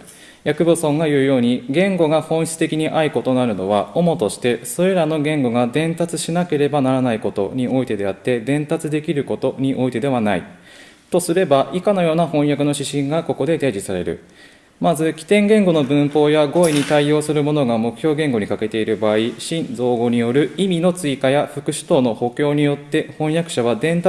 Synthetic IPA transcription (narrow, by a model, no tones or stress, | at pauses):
jakɯ̟bosõ̞ŋɡajɯ̟ːjo̞ːɲ̟iɡẽ̞ŋɡo̞ɡahõ̞ɰ̃çɕi̥t͡sɨ̥t̪e̞kʲiɲ̟iʔaiko̞t̪o̞naɾɯ̟no̞βaomo̞t̪o̞ɕi̥t̪e̞so̞ɾe̞ɾano̞ɡẽ̞ŋɡo̞ɡad̪ẽ̞nt̪at͡sɨɕinake̞ɾe̞banaɾanaiko̞t̪o̞̰ɲ̟io̞it̪e̞d̪e̞at̪ːe̞d̪ẽ̞nt̪at͡sɨd̪e̞kʲiɾɯ̟ko̞t̪o̞ɲ̟iʔo̞it̪e̞d̪e̞βanaḭ | t̪o̞sɨɾe̞baʔikano̞jo̞ːnahõ̞ɰ̃jakɯ̟no̞ɕiɕĩŋɡako̞ko̞d̪e̞d̪ed͡ʑisaɾe̞̰ɾɯ̟̰ | mazɨkʲi̥t̪ẽ̞ŋɡẽ̞ŋɡo̞no̞bɯ̟̃mpo̞ːjaɡo̞ːiɲ̟it̪aio̞ːsɨɾɯ̟mo̞no̞ɡamo̞kɯ̟̥çʲjo̞ːɡẽ̞ŋɡo̞ɲ̟ikake̞t̪e̞iɾɯ̟baːiɕĩnd͡zo̞ːɡo̞ɲ̟ijo̞ɾɯ̟imʲino̞t͡sɨikajaɸɯ̟kɯ̟ɕi̥t̪o̞ːno̞ho̞kʲo̞ːɲ̟ijo̞t̪ːe̞hõ̞ɰ̃jakɯ̟ɕaβ̞ad̪ẽ̞nt̪a